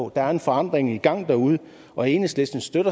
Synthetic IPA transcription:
d̥æ̈æɐe̝nfɒ̽ɑ̈n̰d̥ʁeŋiɡ̥ɑ̈ŋ̰d̥æuð̞ˠə | ɒ̽e̝ːnəsle̝sd̥n̩sd̥øɾ̥ɐ

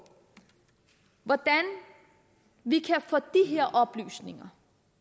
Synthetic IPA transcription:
ʋɒd̥æn | ʋikʰæfɔ̰ːd̥iɦeɐ̰ʔɒ̽b̥ly̰ːsne̝ŋɐ

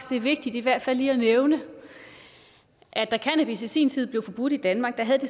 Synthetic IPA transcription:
sd̥e̝ɐʋe̝ɡ̥̚d̥id̥iʋæɐ̰d̥fælːiːɐneʊnə | ʔæd̥ækʰænæb̥isisḭːnt͡sʰiðˠble̝ʊfɒ̽b̥ud̥id̥ænmɑ̈ːɡ̥̚d̥ɑ̈ɦæðˠd̥e̝

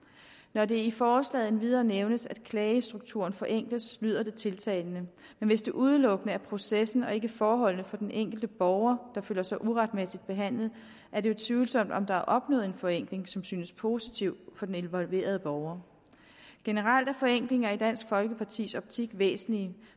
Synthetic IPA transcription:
nɒde̝ifɒːslɛ̰ːðˠenʋið̞ˠɐːneʊnəsæd̥kʰlɛːɪəsd̥ʁuɡ̥̚t͡sʰṵɐnfɒ̽ʔeŋ̰ɡ̥ləslyð̰ˠɐd̥e̝t͡sʰe̝lt͡sʰɛ̰ɪlnə | menʋe̝sd̥e̝ʔuð̞ˠəlɔ̽ɡ̥ənəæɐpʰʁo̝sesn̩ɒ̽e̝ɡ̥əfɒːɦɒ̽l̰nəfɒ̽d̥enʔeŋ̰ɡ̥l̩d̥əb̥ɒʊɐd̥ɑ̈følɐsɑ̈ɪʔuʁɑ̈d̥mesid̥̚b̥e̝ɦæn̰lð̞̩ˠ | ʔæɐɾeo̝t͡sʰʋyːl̩sɒ̽m̰d̥ɒ̽md̥ɑ̈æɐʔɒ̽b̥nɔ̰̽ːð̩ˠenfɒ̽eŋ̰ɡ̥le̝ŋsɒ̽msyːnəspʰo̝si̥t͡sʰiʊ̰fɒ̽d̥ene̝nʋɒ̽lʋe̝̰ːɐð̞ˠəb̥ɒʊɐ | ɡ̥e̝nəʁɑl̰d̥æɐfɒ̽eŋ̰ɡ̥le̝ŋɐid̥æn̰sɡ̥fɒ̽lɡ̥əpʰɑ̈t͡sʰḭːsɒ̽b̥t͡sʰiɡ̥ʋḛːsn̩li

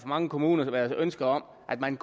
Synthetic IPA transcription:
ɒ̽mɑ̈ŋəkʰo̝muːnɐʋæːɐðˠsʔønsɡ̥ɐɒ̽m̰ | ʔæd̥̚mænɡ̥

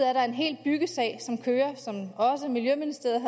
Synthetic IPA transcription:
æɐɾɑ̈e̝nɦe̝̰ːld̚b̥yɡ̥əsɛ̰ɪsɒ̽mkʰøːɐsɒ̽mɒ̽səmiljøminisd̥e̝̰ɐð̩ˠ

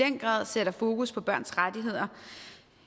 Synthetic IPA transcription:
en̰ɡ̥ʁɑ̰̈ːðˠseɾ̥ɐfo̝ːkuspʰɒ̽b̥ɶɐ̰nsʁad̥iɦe̝ð̞̰ˠɐ

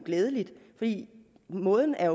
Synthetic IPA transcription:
ɡ̥leːð̞ˠəlid̥fɒd̥ḭː | mɔ̽ːð̞ˠn̩æɐjo

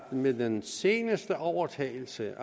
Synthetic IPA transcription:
medense̝ːnəsd̥əʔɒʊɐt͡sʰɛ̰ːɪl̩səʔ

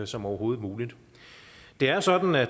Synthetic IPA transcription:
sɒ̽mɒʊɐɦo̝ːð̞̩ˠmuːlid̥ | d̥e̝æɐsɒ̽d̥n̩æ

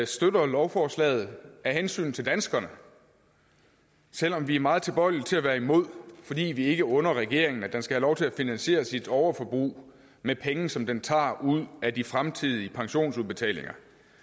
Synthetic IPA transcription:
sd̥ødɐlɒʊfɒːslɛ̰ːð̞̩ˠæɦensy̰ːn̩t͡sʰe̝ld̥ænsɡ̥ɐnə | sel̰ɒ̽mʋiæɐmɑ̈ːð̞̩ˠt͡sʰe̝b̥ɒ̽ɪ̰li̥t͡sʰe̝æʋæːɐimo̝ð̞̰ˠfɒ̽d̥ḭːʋie̝ɡ̥əɔ̽nɐʁɛɡ̥e̝ɐeŋnæd̥ensɡ̥æhælɒʊt͡sʰe̝æfinænɕe̝̰ːɐsid̥ɒʊɐfɒ̽b̥ʁṵː | mepʰeŋ̩sɒ̽md̥ent͡sʰɑ̰̈ːuð̞̰ˠædifʁamt͡sʰiðˠiəpʰɑ̈ŋɕo̝̰ːnsuðˠb̥e̝t͡sʰɛ̰ːle̝ŋɐ

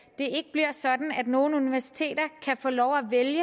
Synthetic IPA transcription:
d̥e̝e̝ɡ̥əb̥liɐ̰sɒ̽d̥n̩æd̥no̝ːn̩uniʋæɐsi̥t͡sʰe̝̰ːdɐkʰæfɔ̰ːlɒʊæʋeljə

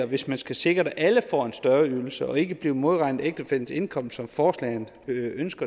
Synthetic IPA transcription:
ɐʋe̝smænsɡ̥æse̝ɡ̥ʁɐɾ̥æʔæləfɒ̰ːe̝nsd̥ɶɐyl̩səɒ̽e̝ɡ̥əb̥liːʊmo̝ð̞ˠʁɑ̈ɪnð̩ˠeɡ̥̚d̥əfeln̩se̝nkʰɒ̽m̰̥sɒ̽mfɒːslɛ̰ɪn | ønsɡ̥ɐ

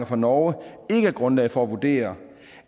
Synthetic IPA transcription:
ɐfɑ̈nɒʊəe̝ɡ̥əæɐɡ̥ʁɔ̽nlɛ̰ð̩ˠfɒ̽æʋud̥e̝̰ːɐ

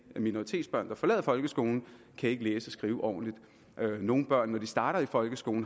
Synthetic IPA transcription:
minoʁit͡sʰe̝̰ːd̥sb̥ɶɐ̰nd̥ɑ̈fɒ̽lɛ̰ðˠfɒ̽lɡ̥əsɡ̥o̝̰ːln̩ | kʰæje̝ɡ̥əleːsəɒ̽sɡ̥ʁiːʊəʔɒ̰ːn̩lid̥ | no̝ːn̩b̥ɶɐ̰nːɒd̥isd̥ɑ̈ːɾ̥ɐifɒ̽lɡ̥əsɡ̥o̝ːn̩

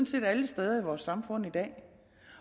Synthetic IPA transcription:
nse̝̰ːd̥æləsd̥eð̞ˠɐiʋɒːsːɑ̈mfɔ̽n̰id̥ɛ̰ː

